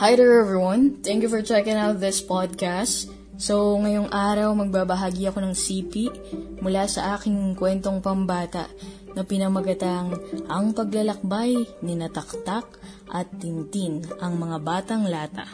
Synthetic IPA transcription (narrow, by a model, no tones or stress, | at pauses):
hajɾəɹɛvwɐnt̪ɛŋkjufɔɹt͡ʃɛkɪ̃ŋawt̪̚ðɪspad̪̚kast̪ | sowŋɐjoŋʔaːɾɐwmɐɡ̚babɐɦaːɡiɐko̞nɐŋsiːpiʔ | mʊlasɐ̰ʔaːkɪŋkwɛnt̪o̞ŋpɐmbaːt̪ɐ̰ʔ | nɐpɪnɐmɐɡɐt̪aŋʔɐŋpɐɡlɐlɐk̚bajnɪnɐt̪ɐk̚t̪ak̚ | ʔɐt̪̚ːɪnt̪inʔɐŋmɐŋabaːt̪ɐŋlaːt̪ɐ̰